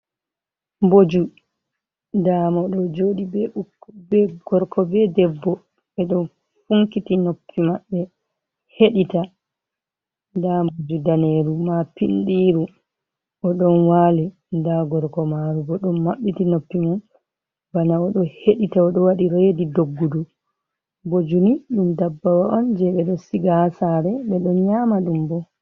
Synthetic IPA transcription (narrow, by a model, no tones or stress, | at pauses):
mbod͡ʒu | damɔɗɔd͡ʒoɗibɛubɛɡ̥ɔɾkɔbɛdɛbːɔ | ɛɗɔn | fuŋkitinopʰːimaɓːɛ | heɗita | ndambod͡ʒudaneɾumapinɗiɾu | ʔɔɗɔnwali | ndaɡɔɾkɔmaɾubɔɗɔnmaɓːitinopːiman | banaɔɗɔheɗitaɔɗɔwaɗiɾeːdidoɡːudu | bod͡ʒuniɗumdabːawaʔɔnd͡ʒɛɓɛɗɔsiɡahsaɾɛɓɛɗɔnɲaːmaɗumbɔ